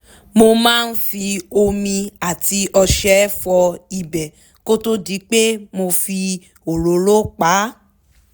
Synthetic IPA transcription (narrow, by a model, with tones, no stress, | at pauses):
mo˧mãː˦˧n̩˦fi˧o˧mĩ˧a˨ti˧ɔ˧ʃɛ˦fɔ˧i˨bɛ˨ | ko˦to˦di˨˦k͡pe˦mo˧fi˧ | o˨ɾo˨˦lo˦k͡pa˨˦